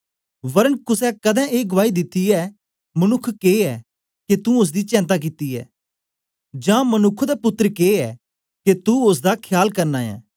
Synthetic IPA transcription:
ʋɐɾənkʊsɛkɐd̪ɛ̃ːeːɡʊʋaːid̪ɪt̪ːiɛː | mɐnʊkʰːkeːɛ | ket̪ũʊs̬d̪iːt͡ʃɛ̃ːnt̪̬aːk̬ɪt̪iɛ̰ː | d͡ʒãːmɐnʊkʰd̪apʊt̪ːəɾəkeːɛː | ket̪uʊs̬d̪aːkʰjaːlkɐɾnaːɛ̰ː

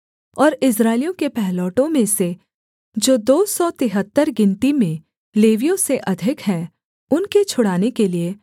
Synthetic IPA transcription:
ɔːɾɪs̬ɾaːɪlijõkepɛɦlɔːʈõmẽse | d͡ʒoːd̪oːsɔːt̪ɪɦət̪ːəɾɡɪ̃nʈ̪imẽ | leːʋijõseʔɐd̪ʱɪkɦɛː | ʊnket͡ʃʰʊɽaːnekelie

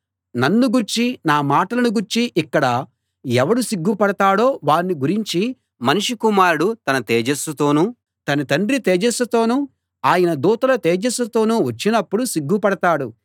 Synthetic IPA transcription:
nɐnːuɡuɾt͡ʃinaːmaːʈɐlɐnuɡuɾt͡ʃiʔikːɐɽɐ | ɛʋɐɽusiɡːupɐɽɐt̪aːɽo̞ːʋaːɾnːiɡuɾiɲt͡ʃi | mɐniʂikumaːɾuɽut̪ɐnɐt̪eːd͡ʒɐsut̪o̞ːnuː | t̪ɐnɐt̪ɐɳɖɾit̪ɛːd͡ʒesɐt̪o̞ːnuː | aːjɐnɐd̪uːt̪ɐlɐt̪eːd͡ʒɐsɐt̪o̞ːnuːʋɐt͡ʃːinɐpːuɽusiɡːupɐɽɐt̪aːɽṵ

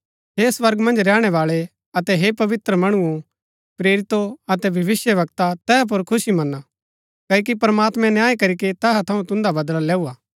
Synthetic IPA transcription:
ɦesʋɐɾɡmɐ̃nd͡ʒɾɛːɽ̃ɛʋaːɭe | ɐt̪ɛɦepɐʋɪt̪ɾəmɐɽ̃ʊõ | pɾeːɾɪt̪oɐt̪ɛbʱɐʋɪsjəʋɐk̚t̪at̪ɛːp̬ʊɾkʰʊsimɐnːa | kɐːk̬ipɐɾmaːt̪mɛ̃njaːikɐɾiket̪ɛːɦat̪ʰɐũt̪ʊ̃nd̪abɐd̪lalɛːuaː

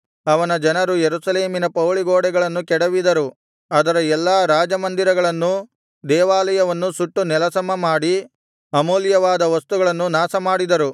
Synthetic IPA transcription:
ɐʋɐnɐd͡ʒɐnɐɾujeɾusɐleːminɐpɐwɭiɡoːɽɛɡɐɭɐnːukɛɽɐʋid̪ɐɾu | ɐd̪ɐɾɐɛlːɐːɾaːd͡ʒɐmɐnd̪iɾɐɡɐɭɐnːu | d̪ɛːʋaːlɐjɐʋɐnːusuʈːunɛlɐsɐmːɐmaːɽi | ɐmoːljɐʋaːd̪ɐʋɐst̪uɡɐɭɐnːunaːsɐmaːɽid̪ɐɾu

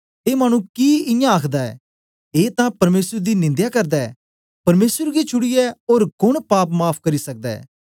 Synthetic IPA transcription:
eːmaːñũkiːɪjãəkʰd̪aːɛ̰ː | eːt̪ãːpɐɾmeːsəɾd̪iːnɪ̃nd̪jaːkəɾd̪aːɛː | pɐɾmeːsəɾɡet͡ʃʰʊɽiɛoːɾkʊɳpaːpmaːpʰkɐɾiːsɐk̚d̪aːɛ̰ː

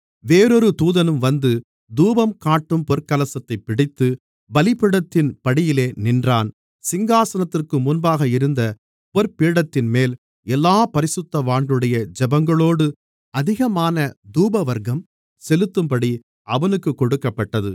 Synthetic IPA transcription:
ʋeːɾɔɾɯt̪uːðɐnɯmʋɐnd̪ɯ | d̪uːbɐmkaːʈːɯmpɔɾkɐlɐsɐt̪ːɐɪpːɪɽɪt̪ːɯ | bɐlɪpɪɽɐt̪ːɪnpɐɽɪjɪleːnɪndraːn | sɪŋɡaːsɐnɐt̪ːɪrkɯmʊnbaːɣɐɪɾɯnd̪ɐ | pɔɾpiːɽɐt̪ːɪnmeːl | ɛlːaːpɐɾɪsɯt̪ːɐʋaːɳɖɯɽɐjɐd͡ʒɛbɐŋɡɐɭoːɽɯ | ɐðɪɣɐmaːnɐd̪uːbɐʋɐɾɣɐm | sɛlɯt̪ːɯmpɐɽi | ɐʋɐnɯkːɯkːɔɽɯkːɐpːɐʈːɐðɯ

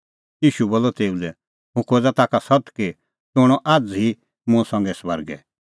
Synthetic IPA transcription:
jiːʃuboːlːɔt̪eːulɛ | ɦʊ̃kʰoːd͡zat̪aːkasɐt̪ki | t̪ʊɽ̃ɔʔaːd͡zi | mʊ̃sɐ̃ŋɡɛsbəɾɡɛ̰

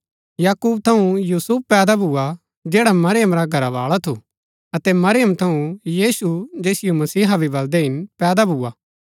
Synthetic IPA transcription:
jaːkuːb̚t̪ʰɐũjuːsʊppɛːd̪abʱua | d͡ʒɛːɽamɐɾɪjəmɾaɡʱɐɾaʋaːɭat̪ʰu | ɐt̪ɛmɐɾɪjəmt̪ʰɐũjiːsud͡ʒeːsɪjomɐsiːɦabʱibɐld̪eɦɪnpɛːd̪abʱuːaː

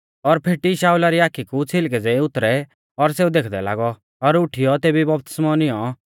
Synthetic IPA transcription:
ɔɾpʰɪʈiʃaːulaɾiaːkʰikut͡sʰɪlk̬ɛd͡zɛ̃ĩʊt̪ɾɛ | ɔɾseːũd̪eːkʰd̪ɛ̰la̰ːɡɔ | ɔɾʊʈʰijɔt̪eːbibɔp̚t̪ɪ̥smɔnɪjɔ

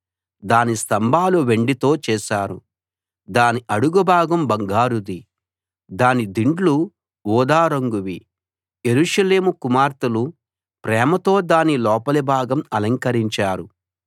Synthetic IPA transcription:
d̪aːnist̪ɐmbʱaːluʋe̞ɳɖit̪o̞ːt͡ʃɛːʃaːɾu | d̪aːniʔɐɽuɡubʱaːɡɐmbɐŋɡaːɾud̪i | d̪aːnid̪iɳɖlu | wuːd̪aːɾɐŋɡuʋi | je̞ɾuːʂɐleːmukumaːɾt̪ɐlu | pɾɛːmɐt̪o̞ːd̪aːnilɔːpɐlibʱaːɡɐmɐlɐŋkɐɾiɲt͡ʃaːɾu

